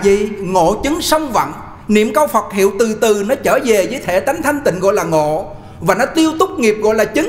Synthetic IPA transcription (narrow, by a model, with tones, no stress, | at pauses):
vḭ˧˨ŋo̰˧˨t͡ɕɨ˨˦ŋsə˧wŋ͡mvə̰˧˨n | nḭ˧˨əmkaː˧wfə˨˩t̚hḭ˧˨əwt̪ɨ˨˩t̪ɨ˨˩nɔ˨˦t͡ɕəː˧˩ve˨˩zəː˨˦jt̪ʰe˧˩t̪a˨˦jŋ̟t̪ʰa˧jŋ̟t̪ḭ̈˧˨ŋ̟ɣɔ̰˧˨jlaː˨˩ŋo̰˧˨ | vaː˨˩nɔ˨˦t̪i˧əwt̪ʊ˦˥k͡p̚ŋi˨˩əp̚ɣɔ̰˧˨jlaː˨˩t͡ɕɨ˨˦